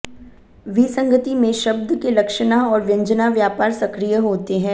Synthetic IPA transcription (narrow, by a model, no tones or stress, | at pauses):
ʋisɐ̃ŋɡət̪imẽʃɐbd̪ʱkelɐkʃnaɔːɾʋjɐ̃ɲd͡ʒənaʋjaːpaːɾsɐkɾijəɦoːt̪eɦɛ̃ː